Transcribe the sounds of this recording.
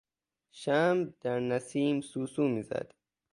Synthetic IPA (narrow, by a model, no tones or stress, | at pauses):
ʃamd̪̥æɾnasiːmsuːsuːmizæ̰d̪̥